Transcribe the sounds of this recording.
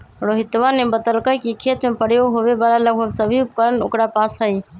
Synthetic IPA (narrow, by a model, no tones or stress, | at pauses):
ɾoɦit̪ʋanebəd̪əlkəkikʰet̪mepəɽ̤joɦoʋebaːlaləɡbʱəɡsəbʱiupkəɾəno̰kɾapasɦəi